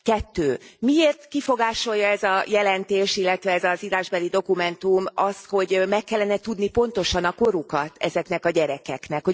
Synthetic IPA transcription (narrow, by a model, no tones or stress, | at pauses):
kɛt̪ːøːmieːrt̪kifo̞ɡaːʃo̞jːɒɛzɒjɛlɛnt̪eːʃilːɛt̪ʋɛɛzɒziɾaːʒbɛlid̪o̞kumɛnt̪umɒst̪ho̞ɟmɛkːɛlːɛnɛt̪ud̪nipo̞nt̪o̞ʃɒnɒko̞ɾukɒt̪ʰɛzɛknɛkɒɟɛɾɛkɛknɛkho